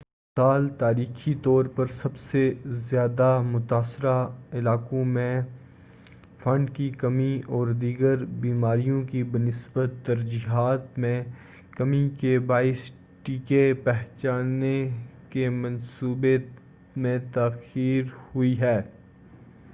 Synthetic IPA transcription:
saːlt̪aːɾiːxit̪ɔːɾpɐɾsɐbsezjaːd̪amʊt̪aːsɾaɪlaːkõmẽ | fɐ̃ɳɖkikɐmiɔːɾd̪iːɡəɾbiːmaːɾijõkibənɪsbət̪ːɐɾd͡ʒiːɦaːt̪mẽ | kɐmikebaːɪs | ʈiːkepɛɦt͡ʃaːnekemɐ̃nsuːbe | mẽt̪aːxiːɾhʊiɦɛː

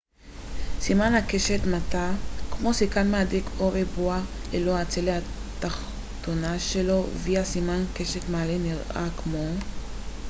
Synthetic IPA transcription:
simanhakeʃet̪matakmo̞sikanmeadikʰoʁebualeloat͡selehat̪aχ | t̪onaʃelo̞viasimankeʃetmaːleniʁa̰kmo̞

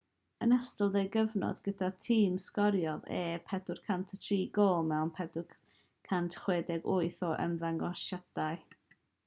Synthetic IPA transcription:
ənastəlˠdejɡəvnɔ̰d̥ɡ̥ədatʰiːmskɔɾjɔðḛːpʰɛdʊrkʰantʰətʰriːɡoːlˠmɛwnpʰɛdʊ | kʰantʰχweːdɛɡʊɨθɔʔə̰mðaŋɡɔʃad̥aɨ

